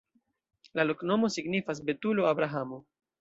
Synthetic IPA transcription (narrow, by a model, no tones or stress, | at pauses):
lalo̞kno̞mo̞siɡnifas̬be̞tuloabɾaɦamo